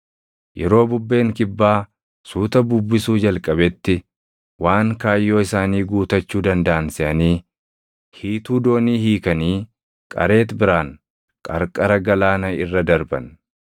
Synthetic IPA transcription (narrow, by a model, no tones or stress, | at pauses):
jʔɛɾo̞ːbʊbːe̞ːŋkɪbːaː | suːt̪ɐbʊbːɪsuːd͡ʒɐlkʼɐbɛt̪ːɪ | waːŋkaːjːo̞ːɪsaːniːɡuːt̪ɐt͡ʃːuːd̪ɐnd̪ɐʔɐnsɪʔɐniː | hiːt̪uːd̪o̞ːniːhiːkɐniː | kʼɐ̰ɾe̞ːt̪bɪɾaːŋ | kʼɐɾkʼɐɾɐɡɐlaːnɐɪrːɐd̪ɐɾbɐ̰n